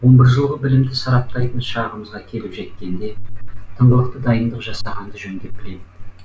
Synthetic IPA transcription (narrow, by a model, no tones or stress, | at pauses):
wo̞mbəɾzʒəlˠʁəbɪlɪmd̪ɪsɑɾɑp̚t̪ɑjt̪ənʃɑʁəməzʁɑkʲʰe̞lɪpʒe̞t̪̚kʲe̞nd̪e̞t̪ʰəɴʁəlˠəq̚t̪əd̪ɑjənd̪əqʒɑsɑʁɑnd̪əʒɵnd̪e̞p̚b̥ɪle̞d̪ɪ